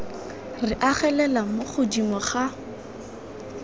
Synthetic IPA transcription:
rɪʔaχɛlɛlamoχʊdimɔχa

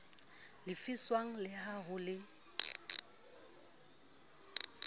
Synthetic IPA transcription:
lɪfiswaŋ̩lɪhaɦʊlɪ

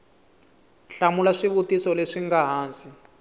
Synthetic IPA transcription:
ɬamulaʂiβutisɔleʂiŋɡaɦaːnsi

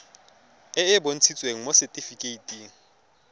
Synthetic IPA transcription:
ɛɪbon̩t͡sʰit͡sʼweŋ̩mosɛtʼifikʼeitʼiːŋ̩

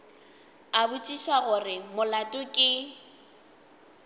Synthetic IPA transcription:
abʊt͡ʃʼiʃaɣʊrɪmʊlatʼʊkʼɪ

